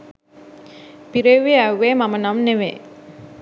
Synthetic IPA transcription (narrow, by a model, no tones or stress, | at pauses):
piɾeʋeæwːeːmamənamneʋḛː